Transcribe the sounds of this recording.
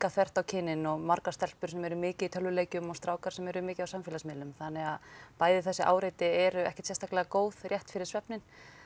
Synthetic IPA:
kaθɛr̥t̪awcʰɪnːɪnɔɣmaɾkast̪ɛl̥pʏɾ̥sɛmɛɾʏmɪːcɪðit̪ʰœlvʏleːjcʏmɔɣst̪ɾaːwkaɾsɛmɛɾʏmɪːcɪðawsamfɪlasmɪːlʏmθanːɛɣaðpaːjðɪθɛsːɪʔa̰ːwɾejt̪ɪɛɾʏɛ̰hcɛt̪sɛst̪aklɛɣakoːwð̥rjɛht̪fɪɾɪɾ̥svɛpnɪn

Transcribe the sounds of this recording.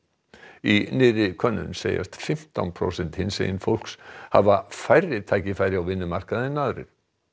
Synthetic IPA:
inɪːɾɪkʰœnːʏ̰nseːja̰st̪fɪm̥t̪a̰wnpʰɾo̰ːwsɛnt̪hɪnsḛjɪnfowl̥ksha̰vafajrːɪt̪ʰaːjcɪfaːjɾɪawvɪnːʏmar̥kaðɪnːaðɾɪ̰ɾ̥

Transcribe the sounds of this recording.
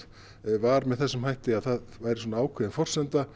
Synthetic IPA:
vaɾmɛðθɛsːʏmhajht̪ɪaðθaðvaːjɾɪswɔnaaːwkʰvɛːðɪnfɔr̥sɛnt̪a

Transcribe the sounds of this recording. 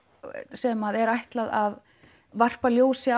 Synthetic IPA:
sɛmaðɛɾajht̪laðað | var̥paljoːwsj

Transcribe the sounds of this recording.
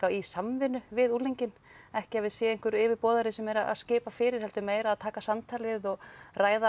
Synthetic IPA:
awisamvɪnʏvɪðulejɲcɪnɛhcɪavɪðsjɛːejŋkʏɾɪːvɪɾpɔːðaɾɪsɛmɛɾaa̰ðscɪːpafɪːɾɪɾ̥hɛlt̪ʏmeːjɾaaðt̪ʰaːkasamt̪ʰaːlɪðɔɣraːjða

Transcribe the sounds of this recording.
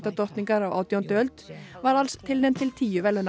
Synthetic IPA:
t̪ɑt̪ʰɔɾt̪nɪŋɡɑɾɑːʋʔɑ̰ʊt̪ɪɔnt̪ɛlt̪ʋɑːɾɑlst̪ʰɪld̪ɛnt̪ʰɪlt̪ʰiːʉʋɛln

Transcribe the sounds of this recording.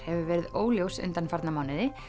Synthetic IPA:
hɛvʏvɛːɾɪðoːwljowsʏ̰nt̪anfaɾt̪namaːwnɪðɪ

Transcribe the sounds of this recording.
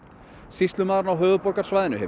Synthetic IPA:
sist̪lʏmaːðɾnawɦœːɣʏpɔɾkaɾ̥svajðɪnʏhɛv

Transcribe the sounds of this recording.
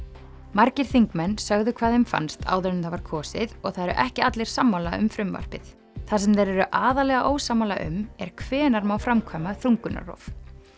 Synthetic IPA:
maɾcɪɾ̥θiŋkmɛnːsœɣðʏkʰv̥aːðhɪmfa̰nst̪a̰ːwðœɾnɪmθhavaɾ̥kʰɔːsɪðɔɣθaðɛɾʏ̰ʔɛhcɪat̪lɪɾ̥samːalaʏ̰mfɾʏmva̰r̥pɪθ | θasɛmθejɾɛɾʏʔaːðalɛɣaʔoːwsamawla̰ʔʏ̰mɛɾ̥kʰvɛːnaɾmawfɾamkʰvaːmaθɾuŋkʏna̰rɔ̰v

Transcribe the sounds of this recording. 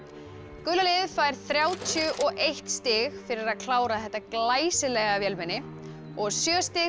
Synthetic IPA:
kʏlalɪðfaːjɾ̥θɾjaːwt̪ʰjʏʔɔɣʔejht̪st̪ɪɣfɪɾɪɾaðkʰlaːwɾaθɛht̪ːaklaːjsɪlɛɣavjɛlmɪnːɪ | ɔɣsjœːst̪ɪ

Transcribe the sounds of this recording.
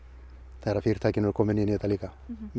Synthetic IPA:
t̪aɾafirt̪ʰakinolkomeniniet̪alikam

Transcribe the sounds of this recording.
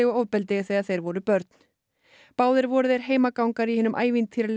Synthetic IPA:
ɪɣɔowðpɛlt̪ɪɣθeɣaðθejɾvɔɾʏpœɾt̪n̥ | paːwðɪɾvɔɾʏðɛɾ̥ɦeːjmakawŋkaɾihɪnʏmʔa̰ːjvint̪θiɾal

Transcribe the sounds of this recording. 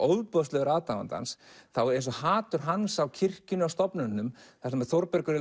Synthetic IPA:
owðpɔðslɛɣʏɾaːðt̪ava̰nt̪a̰nsθawejnsɔhaːt̪ʏɾ̥ɦansawcʰɪr̥cʏnʏawst̪ɔpnʏnːʏmθasmɛɾθoɾpɛɾkʏɾɪ

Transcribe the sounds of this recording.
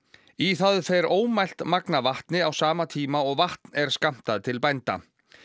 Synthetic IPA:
iθaðfɛɾoːwmajl̥t̪maknavaht̪nɪawsaːmat̪ʰiːmaɔɣvaht̪nɛɾ̥skam̥t̪aðt̪ʰɪlpajnt̪a̰

